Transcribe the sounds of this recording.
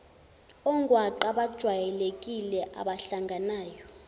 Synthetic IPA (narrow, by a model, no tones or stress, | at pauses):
ɔŋɡʱwaǃaɓad̥ʒ̥ʱwajɛlek̬ʼilɛʔa̰ɓaɬaŋɡʱanaːjɔ